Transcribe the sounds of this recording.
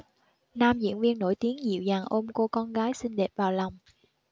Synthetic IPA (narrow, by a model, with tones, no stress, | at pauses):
naː˧mzḭ˧˨˥ənvi˧ənːo̰˧˩jt̪i˨˦əŋzḭ˧˨əwzaː˨˩ŋʔo˧mko˧kɔ˧nɣaː˨˦jsï˧ŋɗe˨˩p̚vaː˨˩wla˨˩wŋ͡m